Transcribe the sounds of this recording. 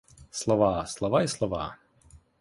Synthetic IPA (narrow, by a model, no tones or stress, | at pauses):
slɔvaːslɔvajɛslɔva̰ː